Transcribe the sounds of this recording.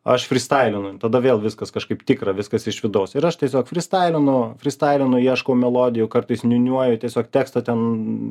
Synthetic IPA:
ɐ̰ʃfʲɾʲɪst̪ɑɪlʲɪnʊt̪ɐd̪ɐʋʲeːlˠʋʲɪskɐskɐʃkɐɪpt̪ʲɪkɾɐʋʲɪskɐsɪʃʋʲɪd̪ɐʊsɪɾɐʃt̪ʲiɛsʲoːkfʲɾʲɪst̪ɑɪlʲɪnʊfʲɾʲɪst̪ɑɪlʲɪnʊiɛʃkɐʊmʲɛlˠoːd̪ʲɪjʊkɐrt̪ɐɪsnʲʊnʲuɔjʊt̪ʲiɛsʲoːkt̪ʲæːkst̪ɐt̪ʲɛn

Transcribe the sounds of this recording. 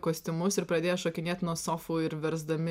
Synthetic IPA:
koːsʲt̪ʲɪmʊsɪɾpɾɐd̪ʲeːjɛʃoːkʲɪnʲeːt̪nuɔsoːfuːɪɾʋʲɛɾzd̪ɐmʲɪ

